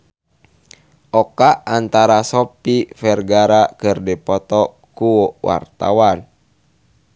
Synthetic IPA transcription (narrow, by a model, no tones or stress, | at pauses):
ʔɔkaant̪aɾasɔpifɛrɡaɾakɨrdipɔt̪ɔ | kuwɔwʔa̰rt̪a̰wan